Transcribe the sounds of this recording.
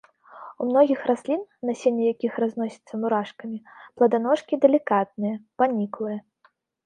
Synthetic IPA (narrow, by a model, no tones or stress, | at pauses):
umnɔɣʲixrasʲlʲinːɐsʲenʲːɛjakʲixraznɔsʲi̥t̪sːɐmuɾaʂkɐmʲiplˠɐd̪anɔʂkʲid̪ɛlʲikat̪̚nɨjɐpanʲiklˠɨjɐ